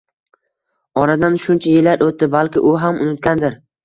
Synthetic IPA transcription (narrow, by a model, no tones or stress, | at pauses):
ɒɾad̪anʃʊnt͡ʃʰajɪlːaɾot̪ːɪbalkʲɪʔʊɦamʊnɪt̪̚kʲand̪ɪɾ